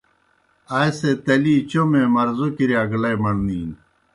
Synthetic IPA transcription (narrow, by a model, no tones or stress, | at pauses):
ɐjset̪ɐliːt͡ɕomẽmɐɾzokiɾeɐɡlɐjmɐɳniːn